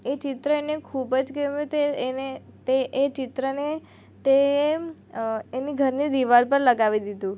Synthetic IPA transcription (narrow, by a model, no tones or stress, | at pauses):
et͡ʃɪt̪ɾəenekʰubəd͡ʒkeumjũt̪eenet̪eʔːt͡ʃɪt̪ɾəne | t̪e | eniɡʱəɾnid̪iʋalpəɾləɡaʋid̪id̪ũ